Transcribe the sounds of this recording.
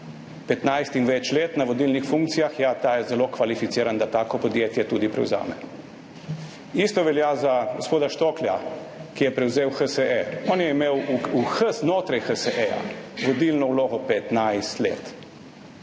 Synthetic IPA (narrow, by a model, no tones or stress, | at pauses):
pɛt̪najst̪inʋɛt͡ʃleːt̪naʋɔd̪ilnixfuŋkt̪sijaxjat̪aːjɛzɛlokʋalifit̪siːɾand̪at̪aːkɔpɔd̪jeːt̪jɛt̪uːd̪ipɾɛ̰wza̰ːmɛ̰ | ist̪ɔʋɛljaːzaɡospoːd̪aʃt̪oklja̰ | kijɛpɾɛwzeːwxəsəeɔːnjɛimeːwuxəsnoːt̪ɾajxəsəʔeja̰ʋɔd̪ilnɔwloːɡɔpɛt̪najst̪lḛːt̪